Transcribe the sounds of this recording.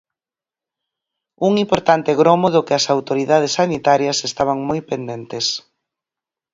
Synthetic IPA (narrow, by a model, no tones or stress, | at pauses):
uŋimpoɾt̪ant̪ɪɣɾɔmoðʊkɪɐsawt̪oɾiðað̞esːanit̪aɾjɐsest̪aβ̞aŋmojpend̪ent̪es